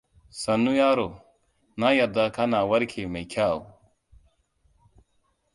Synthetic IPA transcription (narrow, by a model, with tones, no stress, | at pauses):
sɐ˨nːu˦ja˦ɾo˨ | na˦ja˨d̪a˨kʰa˦na˨wɐ˦ɾkʰe˨me˨jkʰaː˦˨o̰˨